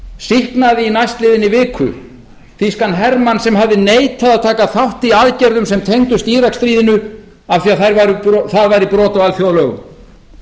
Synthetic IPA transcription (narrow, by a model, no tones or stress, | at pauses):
sihknaðɪinajst̪lɪːðɪnɪvɪːkʰʏ̰ | θiskanɦɛɾmansɛmɦavðɪneːjt̪ʰaðaðt̪ʰaːkaθawht̪iaðcɛɾðʏmsɛmt̪ʰejŋt̪ʏst̪iːɾakst̪ɾiːðɪnʏ | afθiaθajɾvaɾʏpθaðvajɾipɾɔːt̪aalθjoːwlœɣʏ̰m